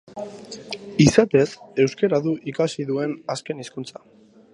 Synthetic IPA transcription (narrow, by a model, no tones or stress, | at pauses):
isat̪e̞se̞wske̞ɾaðuʔikasiðue̞naske̞niskunt͡sḁ